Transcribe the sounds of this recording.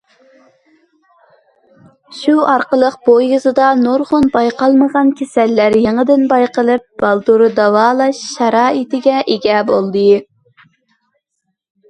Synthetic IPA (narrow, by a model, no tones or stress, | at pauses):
ʃuɑɾqəlˠəq̚b̥ojɨzɨd̪ɑnoɾʁʊnbɑjqɑlˠməʁɑnkʲʰesɛlːæɾjeŋəd̪ɪnbɑjqəlˠɨp̚b̥ɑlˠd̪uɾɨd̪ɑwɑːlˠɑʃːɑɾɑːit̪ɪɡʲɛʔeɡʲɛbolˠd̪ɨ